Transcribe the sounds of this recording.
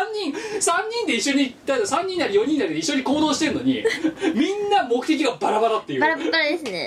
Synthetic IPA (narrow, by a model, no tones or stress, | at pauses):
ɲːĩŋsãɲ̟ːĩnd̪e̞iɕːoɲ̟id̪aasãɲ̟ːĩnːaɾijõ̞ɲ̟ĩnːaɾʲid̪eiɕːoɲ̟iko̞ːd̪o̞ːɕi̥t̪e̞ɾɯno̞ɲ̟ḭmʲĩnːamo̞kɯ̟t̪e̞k̬ʲiɡabaɾabaɾat̪ːe̞jɯ̟baɾabbaɾad̪esɨnḛ